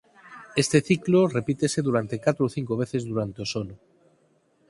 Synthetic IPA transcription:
est̪eθiklore̞pit̪eseðuɾant̪ekat̪ɾoːθiŋkoβ̞eθezðuɾant̪eosono

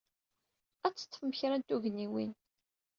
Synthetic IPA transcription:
æt͡sːə̥t̪ːəfməçɾænt̪uʝənːiwin

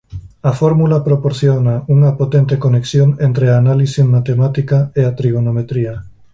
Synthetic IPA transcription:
ɐfɔɾmulɐpɾopoɾθjonɐuŋɐpot̪ent̪ekoneksjoŋent̪ɾeaːnalisimat̪emat̪ikɐeat̪ɾiɣonomet̪ɾiɐ

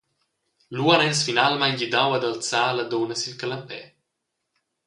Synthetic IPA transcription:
luənɛsfinalmajɲɟid̪awad̪alt͡saːlad̪onəsilkalampɛ

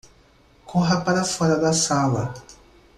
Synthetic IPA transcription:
kʰoɦapaɾafaɾaɡasaβa

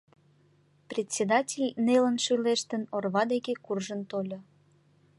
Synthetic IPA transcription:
prʲet̪ʲsʲed̪ɑtʲelʲnelənʃyleʃt̪ənorβɑd̪ekekurʒənt̪olʲo

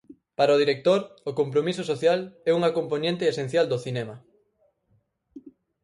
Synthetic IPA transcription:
paɾaoð̞iɾek̚t̪oɾokompɾomisosoθjalɛuŋɐkompoɲẽnt̪eesẽn̟θjald̪oθinɛmɐ

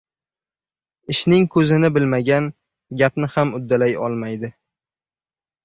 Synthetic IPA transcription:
ɪʃnɪŋkʰɵzɪnɪbɪlmaɡʲan | ɡʲapnɪhamʊd̪ːalajɒ̰lˠmajd̪ɪ

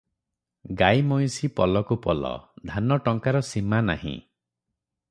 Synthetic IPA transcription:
ɡajmɔj̃sipɔlɔkupɔlɔ̰d̪ʱanɔʈɔŋkaɾɔsimana̰hḭ̃

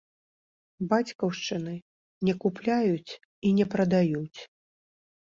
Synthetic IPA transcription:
bat͡sʲkɐwʂt͡ʂɨnɨ | nʲɛkuplʲajut͡sʲ | inʲɛpɾɐd̪ajut͡sʲ

